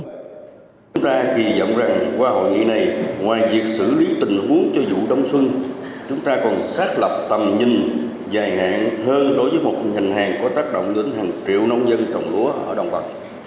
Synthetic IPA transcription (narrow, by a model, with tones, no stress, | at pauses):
t͡ɕʊ˨˦ŋ͡mt̪aː˧ki˨˩zə̰˧˨wŋ͡mza˨˩ŋkwaː˧ho̰˧˨jŋḭ˧˨na˨˩jŋwaː˨˩jvi˨˩ək̚sɨ̰˧˩li˨˦t̪ï˨˩ŋhu˨˦əŋt͡ɕɔ˧zṵ˧˨ɗə˧wŋ͡mswɨ˧ŋ | t͡ɕʊ˨˦ŋ͡mt̪aː˧kɔ˨˩nsaː˦˥t̚lə˨˩p̚t̪ə˨˩mɲï˨˩ŋ | zaː˨˩jɦa̰ː˧˨nhəː˧nɗo˨˦jvəː˨˦jmo˨˩t̚ɲa˨˩jŋ̟ɦaː˨˩ŋkɔ˨˦t̪aː˦˥k̚ɗo̰˧˨wŋ͡mɗə˨˦nhaː˨˩ŋt͡ɕḭ˧˨əwnə˧wŋ͡mzə˧nt͡ɕɔ˨˩wŋ͡mlu˨˦əʔəː˧˩ɗə˨˩wŋ͡mvə˨˩t̚